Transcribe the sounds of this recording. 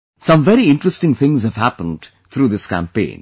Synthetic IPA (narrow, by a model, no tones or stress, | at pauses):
sʌ̃mʋɛɾiɪ̃ɳʈɾəsʈɪ̃ŋt̪ʰɪ̃ŋzhæʋɦæpə̃nɖ | t̪ʰɾuːd̪ɪskæ̰̃mpḛ̃ːn